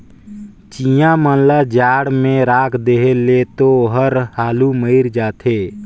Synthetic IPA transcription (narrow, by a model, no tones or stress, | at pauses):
t͡ʃijãmənlad͡ʒaːɽmẽɾaːkʰd̪eɦelet̪oɦəɾhaːluməɪɾd͡ʒaːt̪ʰeː